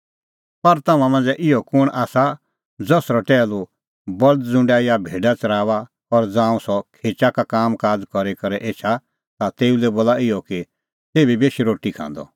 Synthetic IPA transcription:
pɐɾt̪ɐmãmɐ̃nd͡zɛʔɪjɔkʊɽ̃ʔaːsa | d͡zɔsɾɔʈɛːlu | bɐld̪d͡zʊ̃ɳɖaijabʱeːɖat͡sɐɾaːʋa | ɔɾd͡zãːũsɔkʰeːt͡ʃakakaːmkaːd͡zkɔɾekɐɾɛʔeːt͡ʃʰa | t̪at̪eːulɛboːlaɪjɔki | t̪eːbibeːʃiɾoːʈikʰã̰ːnd̪ɔ̰

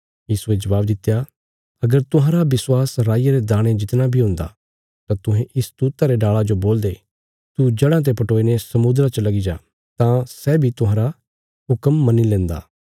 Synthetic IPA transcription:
jiːsued͡ʒɐʋaːbd̪ɪt̪ːeja | ɐɡəɾt̪ʊ̃ɦãɾabɪswaːsɾaːɪjaɾed̪aːɽ̃ẽd͡ʒɪt̪nabʱiɦʊ̃ːnd̪a̰ | t̪ãt̪ʊɦẽʔɪst̪uːt̪aɾeɖaːɭad͡ʒoboːld̪e | t̪ud͡ʒɐɽãt̪̬epɐʈoːinesɐmʊd̪ɾat͡ʃəlɐɡid͡ʒa̰ː | t̪ãsɛːbʱit̪ʊ̃ɦãːɾa | ɦʊkəmːɐnilɛ̃ːnd̪a̰ː

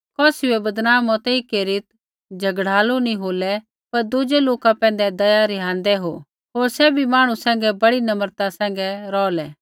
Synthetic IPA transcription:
kɔːsiɛbɐd̪naːmɔt̪ɛikeːɾɪt̪̚ | d͡ʒʱɐɡɽaːlunĩɦoːlɛ | pɐɾd̪ʊd͡ʒɛloːkapɛ̃ːn̆d̪ɛd̪ɐjaɾɪɦãːnd̪ɛɦo̰ː | ɦoːɾsɛbʱimaːɽ̃ũsɛ̃ːŋ̆ɡɛbɐɽinɐməɾt̪asɛ̃ːŋɡɛɾɔːlɛː

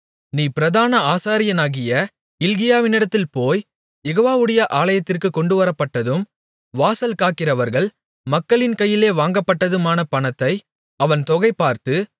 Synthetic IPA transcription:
niːpɪɾɐðaːnɐaːsaːɾɪjɐnaːɣɪjɐ | ɪlɣɪjaːʋɪnɪɽɐt̪ːɪlpoːj | jɛɣoːʋaːʋɯɽɐjɐʔaːlɐjɐt̪ːɪrkɯkɔɳɖɯʋɐɾɐpːɐʈːɐðɯm | ʋaːsɐlkaːkːɪrɐʋɐɾɣɐɭ | mɐkːɐɭɪnkɐjːɪleːʋaːŋɡɐpːɐʈːɐðɯmaːnɐpɐnɐt̪ːɐɪ | ɐʋɐnt̪ɔɣɐɪpːaːɾt̪ɯ

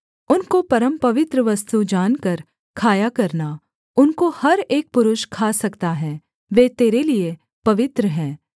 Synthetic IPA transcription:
ʊnkopɐɾəmpɐʋɪt̪ɾəʋɐst̪ud͡ʒaːnkɐɾ | kʰaːjakɐɾna | ʊnkohɐɾeːk̚pʊɾʊʃkʰaːsɐkt̪aɦɛ̃ː | ʋeːt̪eːɾelie | pɐʋɪt̪ɾəɦɛ̃ː

